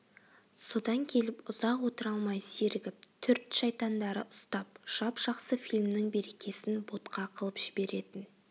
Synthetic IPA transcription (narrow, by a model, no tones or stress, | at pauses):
so̞d̪ɑŋkʲʰe̞lɪpʊz̥ɑqwo̞t̪əɾɑlˠmɑjseɾɪɡʲɪp̚t̪ʰʏɾt̪ʃɑjt̪ɑnd̪ɑɾəʔʊst̪ɑp̚ʒ̥ɑpʒ̥ɑqsəfilʲmnɪŋbe̞ɾe̞kʲʰe̞sɪnbo̞t̪qɑqʰəlˠəpʒ̥ɪbe̞ɾe̞t̪ɪn